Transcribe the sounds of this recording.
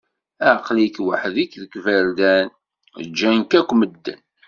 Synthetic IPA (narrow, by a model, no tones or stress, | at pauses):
æʕqlikwaħðikðəkvæɾd̪æn̰ | d͡ʒːænkækʷːməd̪ːə̰n